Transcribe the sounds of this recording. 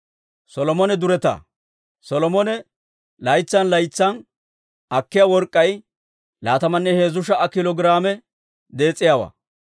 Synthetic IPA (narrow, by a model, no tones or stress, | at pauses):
sɔlɔmɔnɛd̪ʊɾɛt̪ɐ̰ | sɔlɔmɔnɛ | lɐjt͡sːɐnlɐjt͡sːɐn | ɐkːɪjawɔɾkʼːɐj | laːt̪ɐmɐnːɛheːzʊʃɐʔɐkɪlɔɡɾaːmɛ | d̪e̞ːt͡sʼːɪjaːwɐ̰ː